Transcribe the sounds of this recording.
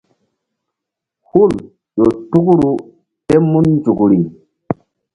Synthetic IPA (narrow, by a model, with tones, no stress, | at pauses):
hu˦˨l | jo˨tu˦ku˦ɾu˨ | te˦mu˦nd͡ʒu˨ku˨ɾi˨ŋ